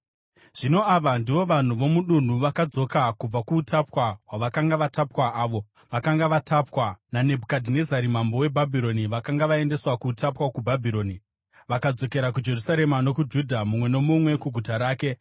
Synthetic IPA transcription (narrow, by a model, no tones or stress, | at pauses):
ʐ̥ino̞aʋandiʋo̞ʋan̤uʋo̞muɗun̤uʋakad͡zo̞kakub͡vakuːtʰapwawaʋakaŋɡaʋatapwaʔaːʋo̞ | ʋakaŋɡaʋatʰapwanane̞bʱukadʱine̞zaɾimambo̞we̞bʱabʱiɾo̞niʋakaŋɡaʋaende̞swakutapwakubʱabʱiɾo̞ːni | ʋakad͡zo̞ke̞ɾakud͡ʒe̞rusaɾe̞mano̞kud͡ʒudʱamumwe̞no̞mumwe̞kuɡʱutaɾaːke̞